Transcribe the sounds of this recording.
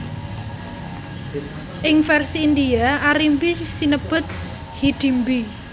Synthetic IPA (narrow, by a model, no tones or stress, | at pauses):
ʔɪŋfɛrsiːnd̪iaaɾimbisinəb̥ʊ̤t̪̚ | hiɖ̪̥i̤mbi